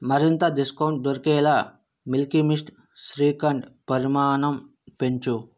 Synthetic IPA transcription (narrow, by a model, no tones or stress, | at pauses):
mɐɾint̪ɐɖiskɐwɳʈ̚d̪oɾkɛːlɐ | milkimisʈ | sɾiːkɐɳʈpɐɾimaːɳɐm | peɲt͡ʃu